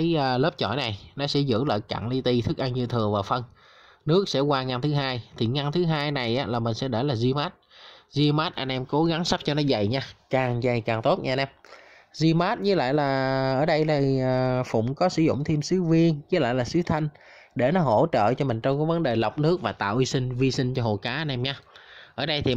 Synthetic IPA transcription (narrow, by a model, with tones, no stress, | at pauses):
jʔːləː˦˥p̚t͡ɕɔ̰˧˩jna˨˩jnɔ˨˦sɛ̰˧˥zɨ̰˧˥lə̰ː˧˨jka̰ː˧˨ŋli˧t̪i˧t̪ʰɨ˦˥k̚ʔa˧ŋɲɨ˧t̪ʰɨ˨˩əvaː˨˩wfə˧n | nɨ˦˥ək̚sɛ̰˧˥kwaː˧ŋa˧nt̪ʰɨ˨˦ɦaː˧jt̪ʰi˨˩ŋa˧nt̪ʰɨ˨˦ɦaː˧jna˨˩jʔaː˨˦laː˨˩mï˨˩ŋ̟sɛ̰˧˥ɗe˧˩laː˨˩zi˧maː˦˥t̚zi˧maː˦˥t̚ʔa˧nʔɛ˧mko˨˦ɣa˨˦ŋsa˦˥p̚t͡ɕɔ˧nɔ˨˦za˨˩jɲaː˧kaː˨˩ŋza˨˩jkaː˨˩ŋt̪o˦˥t̚ɲaː˧nʔɛ˧m | zi˧maː˦˥t̚ɲɨ˨˦la̰ː˧˨jlaː˨˩ʔəː˧˩ɗə˧jlaː˨˩˨fʊ̰˧˨ŋ͡mkɔ˨˦sɨ̰˧˩zʊ̰˧˨ŋ͡mt̪ʰi˧əmsɨ˨˦vi˧ənɲɨ˨˦la̰ː˧˨jlaː˨˩sɨ˨˦t̪ʰa˧jŋ̟ | ɗe˧˩nɔ˨˦ɦo˧˩t͡ɕə̰ː˧˨t͡ɕɔ˧mï˨˩ŋ̟t͡ɕɔ˧ŋ͡mkaː˨˦jvə˨˦nɗe˨˩lə˨˩wk͡p̚nɨ˦˥ək̚vaː˨˩t̪a̰ː˧˨wʔi˧sï˧ŋ̟vi˧sï˧ŋt͡ɕɔ˧ɦo̰˧˨˩jkaː˨˦ʔa˧nʔɛ˧mɲaː˧ʔəː˧˩ɗə˧jt̪ʰi˨˩